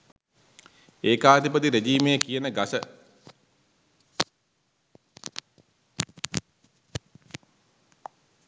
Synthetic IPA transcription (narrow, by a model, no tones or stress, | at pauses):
eːkaːd̪ipət̪iɾed͡ʒiːmejəkijənəɡasə